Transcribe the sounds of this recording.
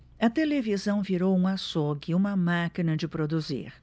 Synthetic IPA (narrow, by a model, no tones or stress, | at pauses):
ɐt̪elevizɐ̃w̃viɾowũasoɡɪũmɐmakinɐd͡ʒɪpɾod̪uzḭɾ